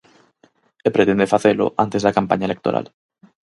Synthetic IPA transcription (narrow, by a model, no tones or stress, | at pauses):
epɾet̪end̪efaθelʊ̰ʔa̰nt̪ezðɐkampaɲaelek̚t̪oɾa̰l